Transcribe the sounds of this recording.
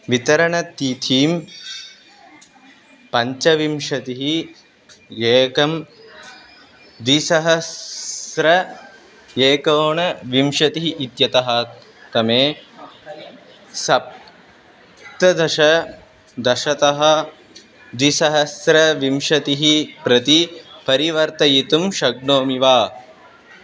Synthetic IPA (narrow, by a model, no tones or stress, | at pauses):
ʋit̪ɐɾɐɳɐt̪iːt̪ʰiːm | pɐɲt͡ʃɐʋimʃɐt̪iɦi | jeːkɐm | d̪isɐɦɐsɾɐ | jeːkoːɳɐʋimʃɐt̪iɦiʔit̪jɐt̪ɐɦɐ | t̪ɐmeː | sɐp̚ | t̪ɐd̪ɐʃɐ | d̪ɐʃɐt̪ɐɦɐ̆ | d̪isɐɦɐsɾɐʋimʃɐt̪iɦipɾɐt̪ipɐɾiʋɐɾt̪ɐjit̪umʃɐɡɳoːmiʋaː